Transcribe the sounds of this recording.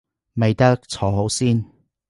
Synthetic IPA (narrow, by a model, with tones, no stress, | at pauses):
me˨jt̪ɐ˥k̚t͡sʰɔː˨˥ɦo˨˥wsiː˥n